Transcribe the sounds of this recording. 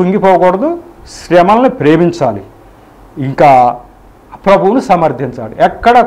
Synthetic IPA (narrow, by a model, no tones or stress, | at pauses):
uŋɡipɔːkɔɽɐd̪uʃɾɛmɐlɐnipɾeːmiɲt͡ʃaːlḭ | iŋkaː | pɾɐbʱuwnusɐmɐɾd̪ʱiɲt͡ʃa̰ːlḭɛkːɐɽɐ